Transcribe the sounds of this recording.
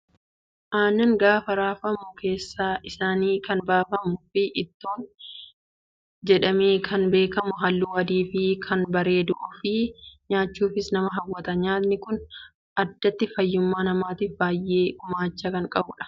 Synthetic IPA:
ʔaːnːɐŋɡaːfɐɾaːfɐmʊke̞ːsːaːʔɪsaːniːkɐnbaːfɐmʊfɪʔɪt̪ːoːn | d͡ʒɛᶑɐmiːkʰɐnbe̞ːkɐmʊɦɐlːuːɐd̪iːfɪkʰɐnbɐɾe̞ːd̪uːfɪɲaːt͡ʃːuːfɪsnɐmɐɦɐwːɐt̪ɐɲaːt̪nɪkʊn | ʔɐd̪ːɐt̪ːɪfɐjːʊmːaːnɐmaːt̪iːfbaːjːe̞ːʔʊmaːt͡ʃːɐkɐŋkʼɐbʊᶑɐ̥

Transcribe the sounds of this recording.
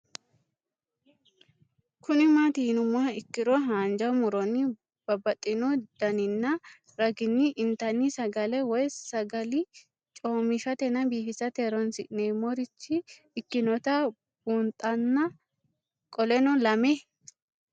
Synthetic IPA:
kʊnɪmat̪ihɪnʊmːaɪkːɪɾɔɦaːnd͡ʒɐmʊɾɔnːɪ | b̥ɐbɐt̪ʼːɪnɔd̪̥ɐnɪnːɐ | ɾɐɡɪnːɪʔɪnt̪ɐnːisɐɡɐlɛwɔjsɐɡɐlɪ | t͡ʃʼoːmɪʃɐt̪ɛnɐbiːhɪsɐt̪eɾɔnsɪ̰ʔneːmɔɾɪt͡ʃːɪː | kːɪnɔt̪ɐ | buːnt̪ʼɐnːɐ | kʼɔlɛnɔlɐme

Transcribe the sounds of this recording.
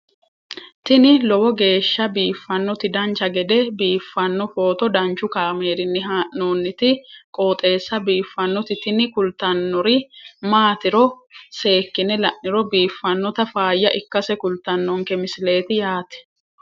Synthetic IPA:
t̪ɪnɪlɔwɔɡe̞ːʃːɐbiːfːɐnːɔt̪ɪd̪ɐnt͡ʃɐɡɛd̪ɛbiːfːɐnːɔfo̞ːt̪ɔd̪ɐnt͡ʃʊkaːmeːɾɪnːɪɦaːʔnoːnːɪt̪ɪkʼoːt̪ʼe̞ːsːɐbiːfːɐnːɔt̪ɪt̪ɪnɪkʊlt̪ɐnːɔɾɪmaːt̪ɪɾɔ | se̞ːkːɪnɛlɐʔnːɪɾɔbiːfːɐnːɔt̪ɐfaːjːɐʔɪkːɐsɛkʊlt̪ːɐnːɔŋkɛmɪsɪle̞ːt̪ɪjaːt̪ɛ̥

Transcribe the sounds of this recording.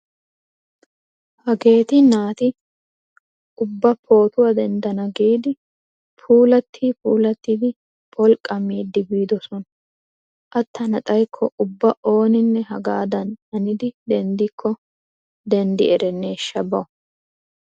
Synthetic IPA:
hɐɡe̞ːt̪ɪnaːt̪ɪ | ʔʊbːɐpʰo̞ːt̪ʊwɐd̪ɛnd̪ɐnɐɡiːd̪ɪ | pʰuːlɐt̪ʰːiːpʰuːlɐt̪ːiːd̪ɪ | pʰʼɔlkʼːɐmiːd̪ːɪbiːd̪ɔsɔnɐ | ʔɐt̪ːɐnɐt̪ʼɐjkʰːɔʔʊbːɐʔo̞ːnɪnːɛɦɐɡaːd̪ɐnɐnɪd̪ɪd̪ɛnd̪ɪkʰːɔ | d̪ɛnd̪ɪɛɾɛnːeːʃːɐbɐ

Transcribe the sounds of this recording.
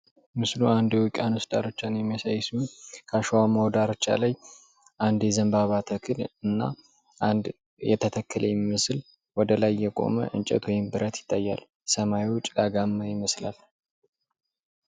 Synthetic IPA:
mɨsluand̪ɛwɨkʼanusd̪ʼa̰ɾot͡ʃːanjɛmːjasajːsukʰaʃwamawd̪aɾot͡ʃːa̰laj | ʔand̪jɛzəmbaβat̪ʰəkʰɨlɨnːa̰ | ʔand̪ | jɛ̰t̪ʰət̪ʰəkʰːəlʔəjɛimɨsɨl | wɔd̪əlajːɛkʼo̰mə̰ʔɨ̰nt͡ʃʼɛ̰t̪wɔjɪmbɨɾət̪jɪ̥t̪ʼːajːa̰l | səmaiwʊt͡ʃʼd̪aɡamːajɪməslal

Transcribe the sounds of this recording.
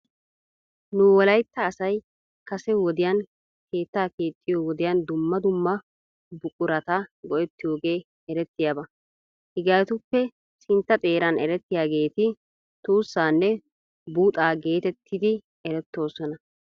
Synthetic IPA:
nʊwɔlɐjt̪ːɐːsɐj | kɐsɛwɔd̪ɪjɐn | ke̞ːt̪ːaːkeːt̪ʼːɪjoːwɔd̪ɪjɐnd̪ʊmːɐd̪ʊmːɐ | bʊkʼʊɾɐt̪aɡɔʔɛt̪ːɪjo̞ːɡe̞ː | ɛɾɛt̪ːɪjaːbɐ | hɪɡaːt̪ʊpːɛ | sɪnt̪ːɐt̪ʼe̞ːɾɐnɛɾɛt̪ːɪjaːɡe̞ːt̪ɪ | t̪uːsːaːnːɛ | buːt̪ʼaːɡe̞ːt̪ɛt̪ʰːɪd̪ɪ | ɛɾɛt̪ːo̞ːsɔnɐ

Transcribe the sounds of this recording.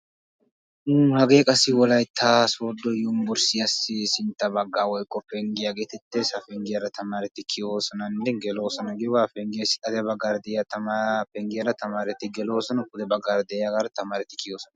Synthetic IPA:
hɐɡe̞ːkʼɐsɪwɔlɐjt̪ʰːaːsoːd̪ːɔjʊmbʊɾsɪjɐsːɪsɪnt̪ːɐbɐɡːaːwɔjkʼːɔpɛŋɡɪjaɡeːt̪ɛt̪ːesɐfɛŋɡɪjɐɾɐt̪ɐmaːɾɛt̪ɪkʰɪjoːsɔnɐnːɛŋɡɛloːsɔnɐɡɪwafɛŋɡɪjɐsɪɐd̪ɛbɐɡaɾd̪ɛjat̪ɐapɛŋɡɪjɐɾɐt̪ɐmaːɾɛt̪ɪɡɛloːsɔnɐkʊd̪ɛbɐɡaɾd̪ɛjaɡɐɾɐt̪ɐmaːɾɛt̪ɪkɪjoːsɔnɐ

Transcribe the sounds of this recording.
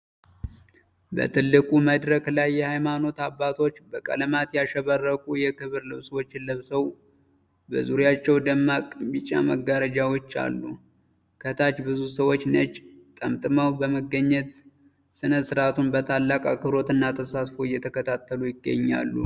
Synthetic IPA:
bə̰t̪ʰɨlːɨkʼuməd̪ɾəklajːɛhajmano̞t̪abːat̪ʰo̞t͡ʃːbəkʼə̰lmat̪jaʃɛβərːəkʼujɛkʰɨβɨɾlɨβswot͡ʃːɪləβsəw | bə̰zuɾjat͡ʃːɛwd̪əmːakʼbit͡ʃʼa̰məɡːaɾəd͡ʒawot͡ʃːa̰lːu | kʰət̪ʰat͡ʃbɨzusəwo̞t͡ʃːnət͡ʃʼːt̪ʼəmt̪ʼɨmawbəməɡːəɲːɛt̪ | sɨnəsɨɾat̪ʰunbət̪ʰalːakʼakʼɨɾo̞t̪ɨnːat̪ʰəsat̪fojːɛt̪ʰəkʰət̪ʰat̪ʰːəlujɪɡːə̰ɲːa̰lːṵ

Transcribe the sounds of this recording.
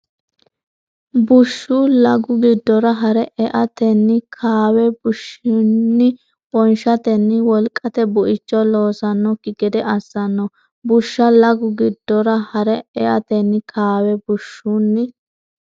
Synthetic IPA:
bʊʃːuːlɐɡʊɡɪd̪ːɔɾɐɦɐɾɛʔɛʔɐt̪ɛnːɪkʰaːwɛbʊʃɪnːɪ | b̥ɔnʃɐt̪ɛnːɪwɔlkʼːɐt̪ɛbʊʔɪt͡ʃːɔlo̞ːsɐnːɔkːɪɡɛd̪ɛʔɐsːɐnːɔ | bʊʃːɐlɐɡʊɡɪd̪̥ːɔɾɐhɐɾɛɛʔɐt̪ɛnːɪkʰaːwɛbʊʃːunːɪ

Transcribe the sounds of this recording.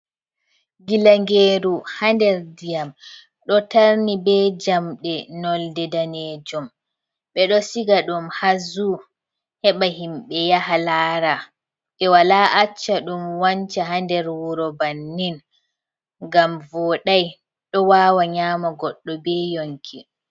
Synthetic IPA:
ɡilaŋɡeːɾuhandɛɾdijam | ɗɔtaɾnibɛd͡ʒamɗɛnɔldɛdanɛd͡ʒɔm | ɓɛɗɔsiɡaɗumhazu | hɛɓahimɓɛjaɦalaːɾa | ɓɛwalaːʔat͡ʃːaɗumwaɲt͡ʃaɦandɛɾwuɾɔbanːin | ɡamvɔɗaj | ɗɔwaːwaɲaːmaɡɔɗːɔbɛjoŋkʰi

